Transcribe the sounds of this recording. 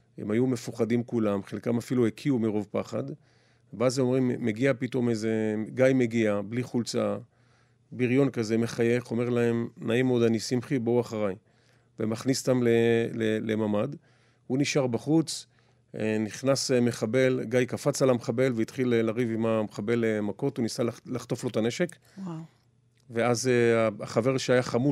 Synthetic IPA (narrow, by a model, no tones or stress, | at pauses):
ḛmajume̞fuχadimkulamχelkamafiluekʰiumiʁo̞vpaχad̪ | veazemo̞mʁimːeɡiapito̞meze̞ɡajme̞ɡiabliχult͡sa | biʁjo̞nkaze̞meχaje̞χo̞me̞ʁlae̞mnaimeod̪anisimχibouaχaʁaj | vemaχnist̪amlelelemamad̪ | huniʃaʁbaχut͡s | niχnasemeχabe̞lɡajkafat͡salameχabe̞lveit̪χilːaʁivimamχabe̞lemako̞t̪unisalalaχt̪o̞flo̞t̪ane̞ʃe̞k | ve̞azeaaχave̞ʁʃeajaχamu